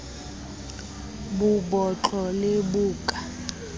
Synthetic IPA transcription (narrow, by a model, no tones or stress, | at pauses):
bubɔt͡ɬʼɔlebuːkʼa